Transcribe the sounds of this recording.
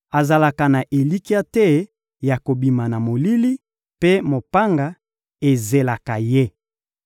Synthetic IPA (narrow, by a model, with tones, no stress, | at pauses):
a˨za˨la˨ka˨na˨ʔe˨li˦ki˦a˦tɛ˦ | ja˨ko˨bi˨ma˨na˨mo˨li˦li˦ | pe˦mo˨pa˦ŋɡa˨ | e˨ze˨la˨ka˨je˦˨